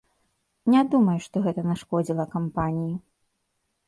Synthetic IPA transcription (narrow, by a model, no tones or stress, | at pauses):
nʲad̪umɐjuʂt̪ɔɣɛt̪ɐnʲaʂkɔd͡zʲilˠɐkampanʲiji